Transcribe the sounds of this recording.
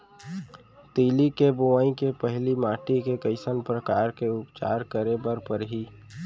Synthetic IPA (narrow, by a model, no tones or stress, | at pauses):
t̪iːlikebʊʋaːĩkepəɦlimaːʈikekəɪsənpɾəkaːɾkeʊpt͡ʃa̰ːɾkəɾebəɾpəɾɦi